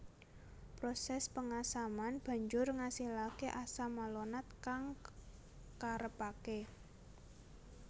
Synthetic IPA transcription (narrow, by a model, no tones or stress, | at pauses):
pɾosɛspəŋasamanb̥ä̤ɲd͡ʒʊrŋasihlakeʔasamalonat̪̚kaŋ | kaɾəpake